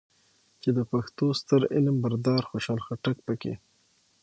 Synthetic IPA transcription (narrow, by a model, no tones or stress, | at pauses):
t͡ʃed̪əpaxt̪ost̪əɾɪ̰lmbaɾd̪ɑɾxoʃɑlxaʈak̚pəkḛ